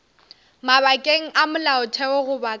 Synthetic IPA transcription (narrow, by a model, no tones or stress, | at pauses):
mabakʼeŋ̩ʔamʊlaʊtʰɛʊɣʊbak